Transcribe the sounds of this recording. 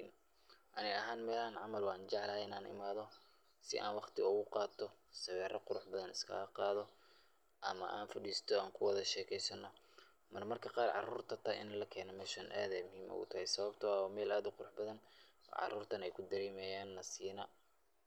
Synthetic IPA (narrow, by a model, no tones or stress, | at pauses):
n | ʔɐnɛɐɦaːnmɛːlhanʕɑmɐlwɑːnt͡ʃɑʕlɐhɪnaːnɪ̰maːðɔ | sɪ̰ʔa̰ːnwɑχt̪ʰɪʊɣʊqɑːt̪ʰɔsɐβɛːrɐqʊɾʊħbɐðɐnɪskʰɐ̰lɐqɑːðɔ | ʔɐ̰mɐ̰ʔaːnfɐɖiːst̪ʰɔaːŋkʰʊwɑðɐʃɛːkʰɛjsɐnːɐ | mɐrmɐrkʰɐqɑːrʕɑ̰ruːrt̪ʰɐt̪ʰɐʔɪ̰nlɐkʰɛːnɔmɛːʃɐnʔa̰ːðɛjmʊhiːmʔʊ̰ɣʊ̰t̪ʰɐhɛjsɐβɐbt̪ʰɐːɔmɛːlaːd̪ʊqʊɾʊħbɐðɐn̰ʕɑ̰ruːrt̪ʰɐnɛjkʰʊd̪ɐɾɛːmɛjaːnːɐsiːnɐ